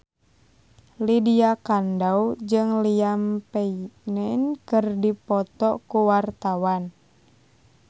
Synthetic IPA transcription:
lidiakandauwd͡ʒɨŋliampɛinɛnkɨrdipɔt̪ɔkuwart̪awan

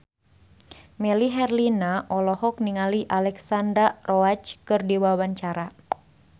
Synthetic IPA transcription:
mɛliɦɛrlinaʔɔlɔhɔk̚niŋaliʔalɛksandɾarɔat͡ʃkɨrdiwawaɲt͡ʃaɾa

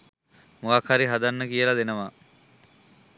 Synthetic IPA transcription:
muʋakʰaɾiɦad̪anːəkijəlad̪enəʋa

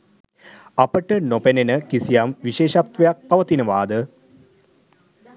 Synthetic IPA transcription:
ɐpəʈənopenenəkisijamʋiʃeːʃat̪ʋɐjak̚pɐʋɐt̪inəʋaːd̪ə

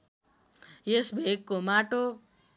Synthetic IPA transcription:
jesbʱekkːomaʈo

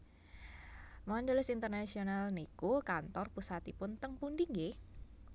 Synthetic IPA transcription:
maand̪əlɪsint̪ərnasionalnikukant̪ɔrpusat̪ipʊnt̪əŋpundiŋɡe

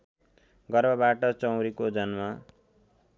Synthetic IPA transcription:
ɡʌrbʌbaʈʌt͡sʌwɾikod͡zʌnma

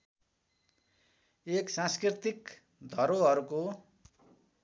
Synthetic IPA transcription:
eksãskrit̪ik | d̪ʱʌɾoʌɾuko

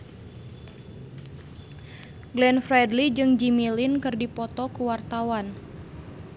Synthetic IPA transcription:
ɡlɛnfrɛdlid͡ʒɨŋd͡ʒimilinkɨrdipɔt̪ɔkuwart̪awan

